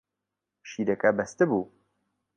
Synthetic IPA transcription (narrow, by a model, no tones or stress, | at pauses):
ʃiːɾɛkɛbɛst̪ɨbuː